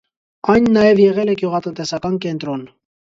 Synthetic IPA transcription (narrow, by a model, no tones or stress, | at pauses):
ɑjnːɑjɛvjɛʁɛlɛkjuʁɑt̪ənt̪ɛsɑkɑnkɛnt̪ɾɔn